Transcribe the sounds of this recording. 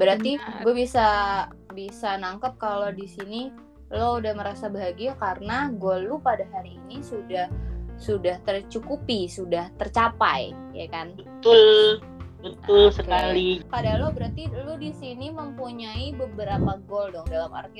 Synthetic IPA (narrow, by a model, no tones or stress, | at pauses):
bəɾart̪iɡuabisabisanaŋkət̚kalodisini | loudahməɾasabaɦaɡiakarənaɡualupadaɦaɾiːnisudahsudaht̪ərt͡ʃukupisudaht̪ərt͡ʃapa̰j | ja̰kanət̪ul | bət̪ʊlsəkalipadalɔbəɾart̪iludisiniməmpuɲaibəbəɾapaɡɔldɔŋdalama̰rt̪i